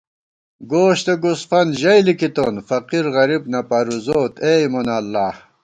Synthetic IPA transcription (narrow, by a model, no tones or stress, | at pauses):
ɡoːɕt̪eɡusfɐnʑɐjlikit̪oːnfɐqiɾɣɐɾib̚nɐpɐɾuzoːt̪emonɐlːaːh